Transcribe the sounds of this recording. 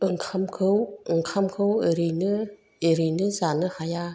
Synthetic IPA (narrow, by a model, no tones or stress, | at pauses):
ɯŋkʰamkʰɯwɯŋkʰamkʰɯweɾinɯ | eɾinɯzanɯhaja